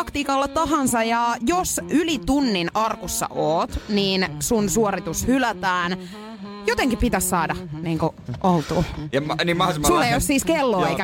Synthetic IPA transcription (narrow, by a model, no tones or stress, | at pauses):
ɑkt̪iːkɑlːɑtt̪ɑɦɑnsɑjɑjosylit̪unːinɑrkusːɑ̰ʔoːt̪niːnsunsuoɾit̪ushylæt̪æːn | jot̪eŋkipit̪æssɑːdɑniːŋkuʔolt̪uːnimɑhsulːejosiːskelːoːeikæ